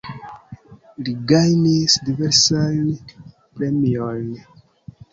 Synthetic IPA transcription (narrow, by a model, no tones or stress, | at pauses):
liɡajnisdiveɾsajn | pɾemiojn